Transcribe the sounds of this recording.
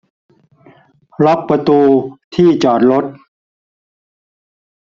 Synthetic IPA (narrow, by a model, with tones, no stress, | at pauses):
ɾɔ˦˥k̚pɾa˧t̪uː˧t̪ʰiː˥˩t͡ɕɔː˨˩t̪̚lo˦˥t̪̚